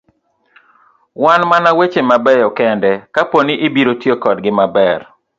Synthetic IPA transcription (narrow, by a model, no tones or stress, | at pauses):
wanmanawet͡ʃemabɛjɔkɛndɛkaponiʔebiɾotjekɔdɡɪmabɛr